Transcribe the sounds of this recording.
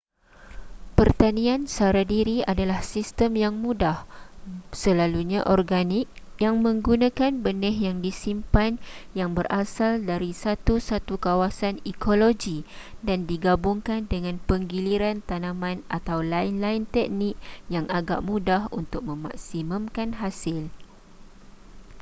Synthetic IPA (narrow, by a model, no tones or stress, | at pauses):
pərt̪anĩansaɾadiɾiadalahsist̪əmjaŋmudah | səlaluɲaʔɔrɡanik̚ | jaŋmə̃ŋɡunãkanbənɛɦjaŋdisimpanjaŋbərʔasaldaɾisat̪usat̪ukawasanikoloɡi | dandiɡabuŋkandəŋãnpəŋɡiliɾant̪anãmãnʔat̪awlaɪnlaɪnt̪ɛk̚nik̚jaŋʔaɡa̰ʔmũdahunt̪ʊk̚mə̃ma̰k̚siməmkanɦasɪl